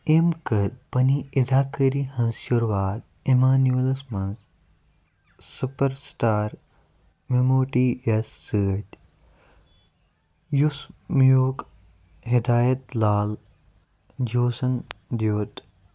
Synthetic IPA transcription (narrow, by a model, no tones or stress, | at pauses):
emkəɾpɐniɪd̪aːkəɾihɐ̃nzʃʊɾʋaːt̪ | emaːnuelɐsmɐnz | supəɾsʈaːɾ | memoːʈiesːəːt̪ | jusmjoːk | ɦɪd̪aːjɐt̪laːl | d͡ʒoːsɐnd̪joːt̪